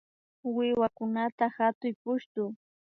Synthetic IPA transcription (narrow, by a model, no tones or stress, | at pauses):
wɪwakʊnat̪ahat̪ʊjpʊʃt̪ʊː